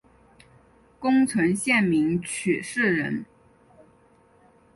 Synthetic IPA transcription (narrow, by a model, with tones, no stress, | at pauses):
kʊ˥ŋt͡sʰwə˧˥ŋɕjɛ˥˩nmi˧˥ŋt͡ɕʰy˨˩ʂɻ̩˥˩ɻə˧˥n